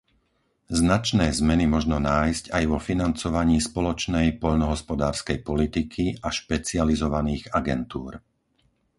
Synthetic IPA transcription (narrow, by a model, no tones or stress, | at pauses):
znat͡ʃnɛːzmɛnimɔʒnɔnaːjscajʋɔfinant͡sɔʋaɲiːspɔlɔt͡ʃnɛjpɔʎnɔɦɔspɔd̪aːɾskɛjpɔlit̪ikʰiʔaʃpɛt͡sializɔʋaniːɣaɡɛ̰nt̪uːɾ